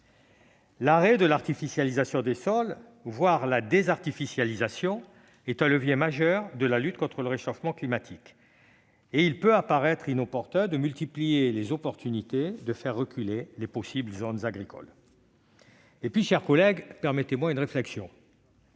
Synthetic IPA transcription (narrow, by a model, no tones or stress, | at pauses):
laʁɛd̪əlaʁt̪ifisjalizasjɔ̃d̪esɔl | vwaʁlad̪ezaʁt̪ifisjalizasjɔ̃ | ɛt̪ɛ̃ləvjemaʒœʁd̪əlalyt̪kɔ̃t̪χələʁeʃɔfmɑ̃klimat̪ʰik | eilpøapaʁɛt̪χinɔpɔʁt̪ɛ̃d̪əmylt̪iplijelezɔpɔʁt̪ynit̪ed̪əfɛʁːəkʲylelepɔsibləzonzaɡʁikʰɔ̰l | epɥiʃɛʁkɔlɛɡpɛʁmet̪emwaynʁeflɛksjɔ̃